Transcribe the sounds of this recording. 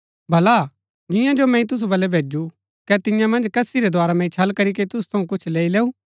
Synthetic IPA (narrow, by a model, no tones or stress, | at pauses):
bʱɐla | d͡ʒɪ̃jãd͡ʒomɛ̃ːĩt̪̬ʊs̬ubɐlɛbʱeːd͡ʒu | kɛt̪ɪ̃jãmɐ̃nd͡ʒkɐsiɾɛd̪ʱwaːɾamɛ̃ĩt͡ʃʰɐlkɐɾik̬et̪ʊsu̥t̪ʰɐũkʊt͡ʃʰleːileːu